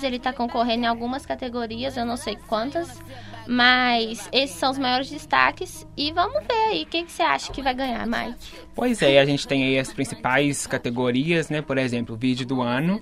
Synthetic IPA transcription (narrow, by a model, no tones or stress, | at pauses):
zelɪt̪akõkoɦẽnd̪ʊẽawɡũmɐskat̪eɡoɾiɐzewnɐ̃w̃sejkwɐ̃nt̪ɐs | mɐjsesɪ̥sːɐ̃w̃ʊzmajɔɾɪzd͡ʒɪst̪a̰kɪs | ɪvɐ̃mʊveɾaiʊkekɪ̥sea̰ʃɐ̥kɪvajɡɐ̃ɲa̰ɾma̰jkɪ̥ | pojzɛaʒẽt͡ʃɪ̥t̪ẽj̃aiɐspɾĩsipajskat̪eɡoɾiɐznɛpoɾezẽmplʊvid͡ʒʊd̪ʊɐ̃nʊ